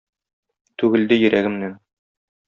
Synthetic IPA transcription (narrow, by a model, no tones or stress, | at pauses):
t̪ʉɡɘ̆ld̪ɘjɘ̆ɾæɡɘ̆mnæn